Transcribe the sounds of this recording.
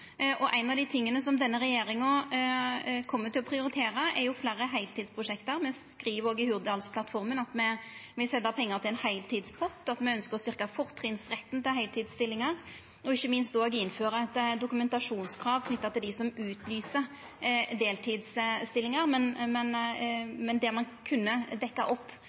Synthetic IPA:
ʔɔʔæɪnɑʋd̪ɪt̪ʰɪŋːənəsɔmd̪ɛnːəɾɛjeːɾɪŋɔ | kʰɔmːət̪ʰɪlɔpʰɾɪʊɾɪt̪ʰeːɾəʔɛɾjʊflæːɾəɦæɪlt̪iːd̪spʰɾʊʂɛkt̪əɾmɛskɾiːʋoːɡɪhʉʁd̪ɑlspʰlɑt̪fɔɾmənɑt̪mɛʋɪsɛlːəpʰɛŋːəɾʁt̪ʰɪlɛnhæɪlt̪ʰiːd̪spʰɔt̪ːɑt̪mɛœnskəɾɔst̪ʏʁkɑfɔʁt̪ʰʁɪnsɾɛt̪ːn̩t̪ɪlɦæɪlt̪ʰiːd̪st̪ɪlːɪŋɑʁ | ɔɪçːəmɪnst̪oːɡɪnføːɾəɛt̪ːd̪ʊkʉmɛnt̪ɑʂuːnskʰɾɑːʋkʰnʏt̪ːɑt̪ɪld̪ɪsɔmʉːt̪lyːsə | d̪eːlt̪ʰiːd̪sst̪ɪlːɪŋɑɾmɛnmɛn | mɛnd̪ɛmɑnkʰʉnːəd̪ɛkːɑʔɔpː

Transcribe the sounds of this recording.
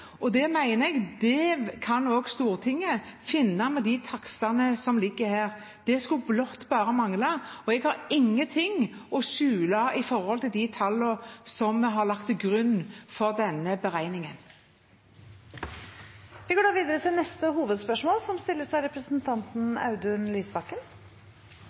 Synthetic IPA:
ɔd̪ɛmæɪnəɛɡd̪ɛkʰɑnoːɡst̪uːɾt̪ʰɪŋːəfɪnːɑmɛd̪ɪt̪ʰɑksɑnəsɔmlɪɡːəhæːɾ | d̪̥ɛskʉblɔt̪ːbɑːɾəmɑŋlɑɔɛɡhɑɾɪŋːət̪ʰɪŋɔʃʉːlɑɪfɔɾhɔlt̪ɪld̪ɪt̪ʰɑlːəsɔmɦɑɾlɑkt̪ɡɾʉnːfɔɾd̪ɛnːəbəɾæɪnɪŋən | ʋɪɡoːɖɑːʋiːd̪əɾət̪ʰɪlnɛst̪əhuːʋəd̪spœʂmoːlsɔmst̪ɪlːəsæɪɾɛpɾəsənt̪ʰɑnt̪n̩ɑ̰ʉd̪ʉnlyːsbɑkːən

